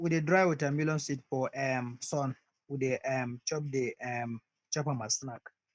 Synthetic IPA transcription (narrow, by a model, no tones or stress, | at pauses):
widedɹaɪwitãmilɔ̃nsitfɔʔɛmsɔ̃n | wideʔɛmt͡ʃɔp̚deɛm | t͡ʃɔpamasnak